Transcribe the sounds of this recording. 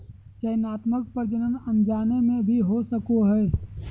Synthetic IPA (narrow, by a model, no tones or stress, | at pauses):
t͡ʃəjnaːt̪mək̚pəɾd͡ʒənənənd͡ʒaːnemẽbʱiɦosəkoɦɛː